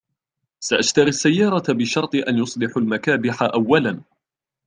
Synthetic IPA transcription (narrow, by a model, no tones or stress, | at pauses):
saʔaʃt̪ɑɾisːajːɑːɾˤɑbɪʃɑɾˤt̪ˤɨʔanjʊsˤlɪħalmakaːbɪħaʔawːalan